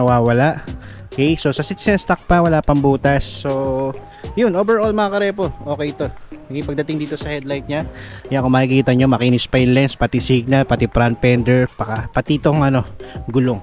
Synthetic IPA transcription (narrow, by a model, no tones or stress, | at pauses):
nɐwaːwɐlaʔokɛjso̞sɐsit̪sɛnst̪ɐk̚pɐwɐlapɐŋbuːt̪ɐsːo | jʊnʔoːbɛɹʔolmɐŋɐkɐɾɛpo̞ʔo̞ːkɛjt̪o̞ɪpɐɡ̚d̪ɐt̪ɪŋd̪iːt̪o̞sɐhɛd̪lajt̪̚ɲajakomɐːhɪkiːt̪ɐɲɲomɐkinɪspɐjʊnlɛnspɐt̪isiɡ̚nɐlpɐt̪ipɾant̪̚pɛnd̪ɛɹbakapɐt̪it̪oŋɐno̞ɡʊloŋ